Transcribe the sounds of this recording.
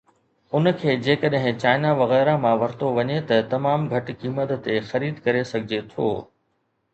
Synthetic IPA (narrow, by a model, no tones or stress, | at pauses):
ʊn̆kʰeːd͡ʑeːkəɗɦɪ̃t͡ɕaːɪnaʋɐɣɛːɾamãʋɐɾt̪oʋɐɲet̪ɐt̪ɐmaːmɡʱɐʈkiːmət̪ːexɐɾiːd̪kɐɾesɐɡʱɪd͡ʑet̪ʰo̰ː